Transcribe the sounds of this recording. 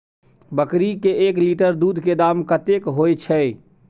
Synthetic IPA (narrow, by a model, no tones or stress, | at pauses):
bəkɾikeʔekliʈəɾd̪ud̪ʱked̪amkət̪ekɦojt͡ʃʰɛ